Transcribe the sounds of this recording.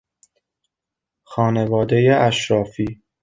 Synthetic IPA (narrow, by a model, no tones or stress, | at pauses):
xɒːnevɒːd̪ejeʔæʃɾɒːfiː